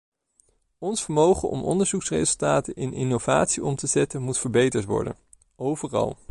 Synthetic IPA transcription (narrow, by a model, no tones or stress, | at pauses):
ɔnsfəɹmowχənʔɔ̰mʔɔ̰ndəɹzuksrezɵlˠtaːtəɪnʔɪnowv̥aːtsiʔɔmtəzɛtənmutfəɹbejtəɹtʋɔ̰ɹdə̰n | owvərɑ̰lˠ